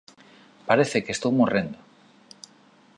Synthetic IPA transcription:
paɾeθekest̪owmurẽnd̪o

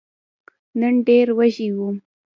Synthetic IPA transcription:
nənɖeɾwaʒiwu

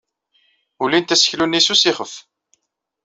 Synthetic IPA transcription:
ulint̪æsə̥çlunːisusiχəf

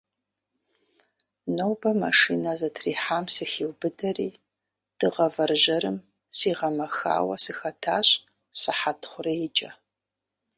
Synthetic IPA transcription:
nowbɐmaʂiːnɐzɐtʰriːħaːmsɨxiwbɨdɐriː | d̥ɨʁɐvɐrʒɐɾɨm | siːʁɐmɐxa̰ːwɐ̰sɨxɐtʰaːɕʼ | sɨħatʰχʷʊrɐjɪt͡ʃʼɐ

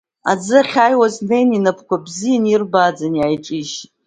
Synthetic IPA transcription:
a̰d͡zɨχʲaːjwaznejninapʰkʷabzijanirbad͡zanjajʈ͡ʂʼiʃ

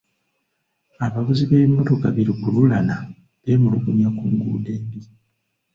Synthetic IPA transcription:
aβaβuziβeimːo̞to̞kaβiɾikululana | βemuluɡuɲakuːŋɡṵːde̞ːmbi

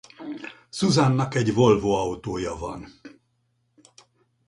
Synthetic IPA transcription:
suzanːɒkɛɟvo̞lvoːɒut̪oːjɒvɒ̰n

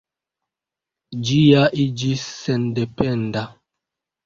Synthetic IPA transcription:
d͡ʒijaʔid͡ʒisɛndepɛnda

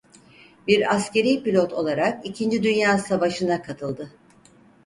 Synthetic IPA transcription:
biɾasce̞ɾijpilʲo̞t̪ʰo̞̰lˠaɾakicʰind͡ʒid̪ynjaːsavaʃɯnakʰat̪ʰɯlˠd̪ɯ

